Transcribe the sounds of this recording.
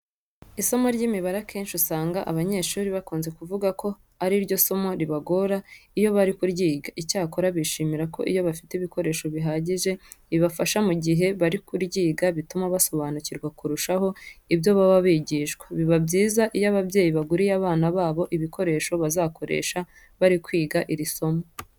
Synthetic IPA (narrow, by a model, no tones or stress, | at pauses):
iso̞mo̞ɾɟiːmiβaɾakʰe̞ːnʃisaːŋɡaʔaβaɲe̞ːʃuːɾiβakuːnze̞kuvuɡako̞ | aɾiɾɟo̞so̞mo̞ɾiβaɡo̞ɾaijo̞βaɾikuɾɟiːɡaʔicaːko̞ɾaβiʃiːmiɾako̞̰ʔḭjo̞βafi̥teiβiko̞ɾe̞ːʃo̞βiɦaːɟiʒe̞iβafaʃamuɟiɦe̞βaɾikuɾɟiːɡaβitumaβaso̞βaːnuciɾɡwakuɾuʃaho̞ibjo̞βaβaβiɟiːʃɡwaβiβabɟiːzaʔijaβabɟe̞ːjiβaɡuɾijaβaːnaβaːβo̞ʔiβikʰo̞ɾe̞ːʃo̞βazaːkʰo̞ɾe̞̰ːʃa | βaɾikwiːɡaʔiɾiso̞mo